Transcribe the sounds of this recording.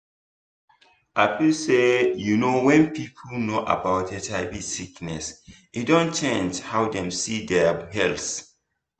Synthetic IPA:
ʔafisejunowɛ̃npʰipʰlnoʔa̰baʊt̚dɛtʰaɪbisiknɛs | idõnt͡ʃɛ̃nthawdɛ̃msidɛhɛls

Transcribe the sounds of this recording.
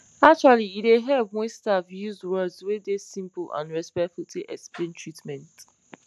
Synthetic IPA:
ak̚t͡ʃwaliideɦɛbwestafjuzwɜdzwedesĩmplã̰nɹɛspɛktfultʰeʔɛksplẽntɹitmɛ̃nt

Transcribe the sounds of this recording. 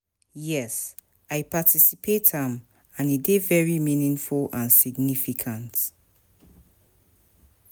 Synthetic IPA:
jɛs | aɪpatʰisipʰethãm | ãnidevɛɹiminĩŋfulãnsiɡnifikʰãnt

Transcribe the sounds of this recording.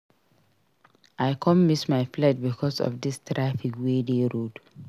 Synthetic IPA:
aɪkʰɔ̃mmismaɪflɛd̚bikʰɔsɔ̰fdistɾafikwedeɹod

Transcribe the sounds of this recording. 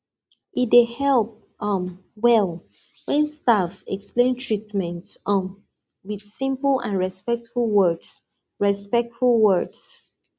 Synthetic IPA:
it̚dehɛlˠp̚ | ʌ̃mwɛlˠ | wɛ̃nstafɛ̰ksplẽntʰɹitmɛ̃ntʌm | wið̥sĩmplãnɹɛspɛk̚tfulˠwɜs | ɹɛspɛk̚tfulˠwɜds

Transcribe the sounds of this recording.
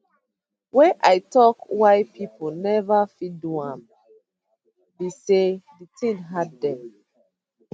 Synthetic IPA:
wɛ̃nʔajtɔkwajpʰiponɛvafiduãm | deseditĩnɦaddɛ̃m

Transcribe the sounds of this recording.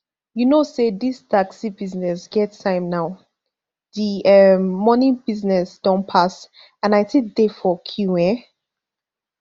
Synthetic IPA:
junosedistʰaksibiznɛsɡ̥ɛtsãɪ̃mnaʊ | ðiʌmːɔnɪ̃biznɛsd̥ɔ̃npʰas | ãnaɪtʰek̚defɔkʰjuɛ̃

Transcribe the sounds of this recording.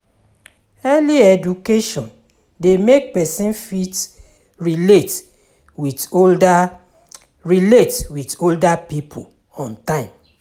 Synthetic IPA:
ɛliɛd͡ʒukeʃɔ̃n | demek̚pɛsĩnfit | ɹilet | witolda | ɹiletwitoldapipʰo̰l | ɔ̃ntãɪ̃m

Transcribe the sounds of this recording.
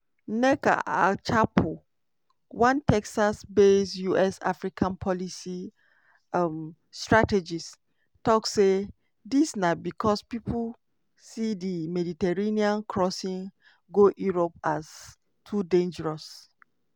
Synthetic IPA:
nɛka̰a̰t͡ʃapʰo | wãntʰɛksasbesjuɛsa̰fɹikʰãnpʰɔlisi | m | stɹated͡ʒis | tɔkse | disnabikʰɔspipʰul | sidimɛditɛɹeniãnkʰɹɔsĩŋ | ɡoʔjuɹopas | tʰudẽnd͡ʒɛɹɔs

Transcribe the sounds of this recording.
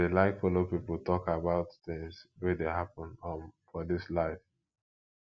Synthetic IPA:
elaɪkfɔlopipəlˠtʰɔkabaʊtθɪ̃ŋzwɛdeɦapə̃nə̃fɔðɪslaɪf

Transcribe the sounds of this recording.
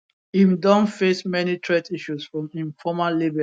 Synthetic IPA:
ĩmdɔ̃nfesmɛnitʰɹetiʃusfɹɔ̃mĩnfɔmallebɛ

